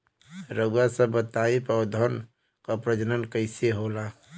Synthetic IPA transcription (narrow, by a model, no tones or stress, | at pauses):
ɾəɡuasəbət̪aipɔːd̪ʱən | kapɾəd͡ʒənənkəɪseɦola